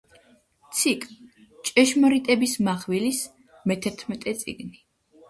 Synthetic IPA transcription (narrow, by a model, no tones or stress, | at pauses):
t̪sʰikʼ | t͡ʃʼɛʃmɔɾit̪ʼɛbismaχwilis | mɛt̪ʰɛɾt̪ʰmɛt̪ʼɛt̪sʼḭɡni